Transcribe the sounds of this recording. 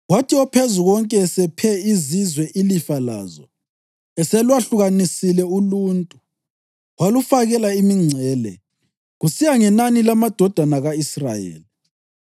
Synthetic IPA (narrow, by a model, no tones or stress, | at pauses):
ɣwatʰiɔpʰezuɣɔŋkʼɛsɛpʰɛizizwɛʔilifala̰zɔ̰ | ɛsɛlwaɬuɣanisilɛuluːntʼu | walufaɣɛlaimiŋ͡ǀʱɛːlɛ̰ | ɣusijaŋɛnanilamad̥ʱɔd̥ʱanaɣaisra̰jḛːli